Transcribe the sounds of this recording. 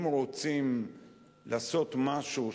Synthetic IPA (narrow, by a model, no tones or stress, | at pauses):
mʁo̞t͡sim | laːso̞t̪maʃu